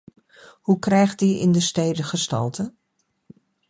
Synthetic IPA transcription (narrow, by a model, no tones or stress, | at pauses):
hukrɛjχt̚diɪ̰ndəstejdəχəstɑ̰lˠtə